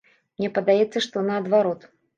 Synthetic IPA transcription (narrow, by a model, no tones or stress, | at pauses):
mnʲɛpɐd̪ajɛt̪sːɐʂt̪ɔnɐːd̪vaɾɔt̪